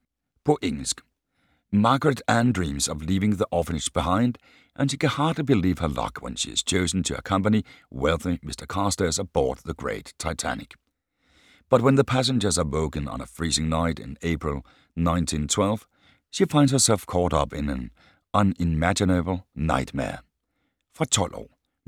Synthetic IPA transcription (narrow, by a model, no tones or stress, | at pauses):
pʰʊʔɪ̃ŋsk | mɑɹɡɹɨɾæ̃ndɹĩmzʌvlivɪ̃ŋðiʔɔfɨnɨʃb̥əɦãɪ̃nd | ʔɨ̃nʃikɨ̃nhɑɹdˡlibɨliv̥ə˞lʌ̰kʰwə̰̃nʃḭɨ̰z̥t͡ʃʰoʊzn̩tʰɨə̰kʰʌ̃mpɨniwɛlˠθimɪstə˞kʰɑɹstə˞zə˞b̥ɔ̰ɹt̪̚ðɨɡɹḛɪtʰːaɪtʰæ̰nɨ̰k | b̥ʌt̚wə̃nðɨpʰæs̬ɨ̃nd͡ʒə˞zəwoʊkɨ̃nə̰̃nəfɹizɪ̃ŋnaɪɾɨ̰̃neɪpʰɹɨl̩ˠ | nãɪ̃ntʰĩntʰw̥ɛlˠv̥ | ʃifãɪ̃ndz̥hə˞sɛlˠfkʰɔɾʌpɨ̃nɨ̃n | ʔʌ̃nɪmæd͡ʒɨnɨbl̩ˠna̰ɪt̚mɛ̰ɹ | fətʰɔlʔo̰